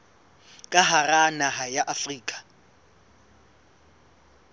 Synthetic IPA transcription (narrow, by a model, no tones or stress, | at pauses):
kʼaɦaranaɦajaʔafriːkʼḁ